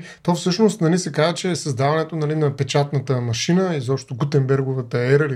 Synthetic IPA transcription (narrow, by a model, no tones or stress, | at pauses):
t̪ɔfsɤʃnost̪nɐlisɛkazət͡ʃɛːsəzd̪avɐnɛt̪onɐlinɐpɛt͡ʃat̪nət̪əmɐʃinəizɔpʃt̪oɡut̪ɛmbɛɾɡovət̪əɛɾəli